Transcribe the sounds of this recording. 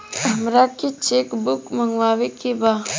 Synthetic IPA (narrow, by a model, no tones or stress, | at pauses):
əmɾat̪̚ket͡ʃekbʊkməŋɡwawekːeba